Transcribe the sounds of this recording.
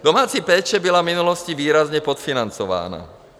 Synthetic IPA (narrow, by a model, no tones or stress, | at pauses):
d̪ɔmaːt͡sipɛːt͡ʃɛbilavminulɔsciʋiːɾazɲɛpɔt̪finant͡sɔʋa̰ːna̰